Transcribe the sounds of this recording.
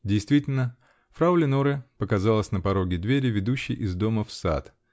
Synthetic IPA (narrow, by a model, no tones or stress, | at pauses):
dʲɪjst̪vʲitʲɪlʲnə | fɾaʊlʲɪnoɾəpəkɐzalˠəsʲnəpɐɾo̞ɡʲɪd̪vʲeɾʲɪvʲɪd̪uɕːɪjʔɪzd̪o̞məfsa̰t̪